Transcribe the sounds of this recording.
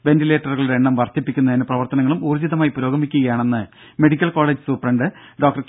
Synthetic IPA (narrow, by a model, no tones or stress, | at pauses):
ʋe̞ntile̞ːʈːɐrɣɐɭɾeeɳːɐmʋɐrt̪ipːikʲːunːɐinɨprɐʋɐrt̪ɐnɐŋːɐɭumuːrd͡ʑiðɐmaːjipuɾo̞ːɡɐmikʲːuɣɐjaːɳe̞nːɨ | me̞ɽikʲːɐlko̞ːleːd͡ʑɨsuprɐɳɖɨ | ɖoːk̚ʈɐrs